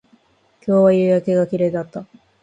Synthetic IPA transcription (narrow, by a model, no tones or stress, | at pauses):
kʲo̞ːβajɯːjake̞ɡakʲiɾe̞ːd̪at̪ːa